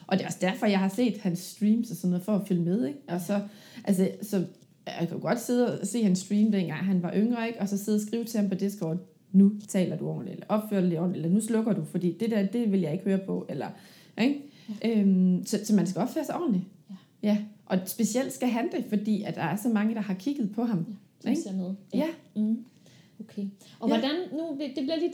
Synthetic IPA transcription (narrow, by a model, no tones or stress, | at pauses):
ʔɒ̽d̥e̝ɒ̽səd̥æɐfɒ̽jɑ̈ɪhɑ̈se̝̰ːd̥hænsd̥ʁiːmsɒsɒnːoɔːð̩ˠfɒːfyləmeð̞ˠeɡ̥ɒ̽sɒ̽ | ʔæls̬əsɒ̽ | kʰæd̥uɡ̥ɒ̽d̥se̝ð̞ˠse̝̰ːhænsd̥ʁiːmd̥enɡ̥ɑ̈ŋ̰ɦænʋɑ̈ʔøŋʁɐe̝ɡ̥ɒ̽sɒ̽seðˠɐs̬ɡ̥ʁiːʊt͡sʰe̝hɑmpʰɒ̽d̥e̝sɡ̥ʁɒː | nut͡sʰɛ̰ːlɐd̥uɒ̰ːnlielɐʔɒ̽b̥fø̰ɐd̥ɑlidɒ̰nlielɐnuslɔ̽ɡ̥ɐd̥ufɒ̽d̥ḭːd̥e̝d̥æɐd̥e̝ʋe̝ljɑ̈ɪe̝ɡ̥høːɐpʰɒ̽elɐ | ʔeɡ̥ | ʔømsɒ̽sɒ̽mæns̬kɡ̥æɒ̽b̥føːɐsɑ̈ɪɒ̰ːn̩li | jæʔɒ̽sb̥e̝siel̰d̥sɡ̥æɦænd̥e̝fɒ̽d̥ḭːæd̥ɑ̈æɐsɒ̽mɑ̈ŋəd̥ɑ̈hɑ̈kʰiɡ̥ð̩ˠpʰɒ̽ɦɑ̈m | eɡ̥nðˠjæ | okʰeɒʋɒd̥ænnud̥e̝b̥liɐdi